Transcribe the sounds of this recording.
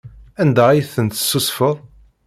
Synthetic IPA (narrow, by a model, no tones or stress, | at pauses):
ænd̪ææjθənt̪ə̥sːusfəðˤ